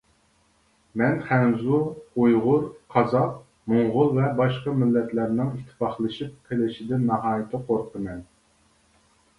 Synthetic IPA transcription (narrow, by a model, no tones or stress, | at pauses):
mɛnχænzuujʁʊɾqʰɑzɑq | moŋʁʊlˠvɛbɑʃqɑmɪlːɛt̪læɾnɪŋit̪ʰːɪ̥fɑχlˠɨʃip̚qʰelɪʃid̪ɛnɑɦɑːjɪt̪ʰɪqʰoɾqʰəmɛn